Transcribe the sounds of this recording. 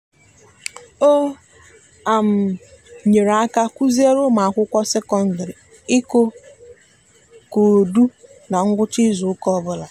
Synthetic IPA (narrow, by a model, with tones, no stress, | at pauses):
o˦ | a˨m̩˨ | ɲe˨ɾa˦ka˦kʷu˦zi˦e˦ɾʊ˦ma˨a˨kʷʊ˦kʷɔ˦se˦kɔ˦n̩˨dɾi˨ | ɪ˦ko˦ | ko˨du˦ | na˨ŋ̩˦ɡʷʊ˦t͡ʃi˦zʊ˨ʊ˦kɔ˦bʊ˦la˨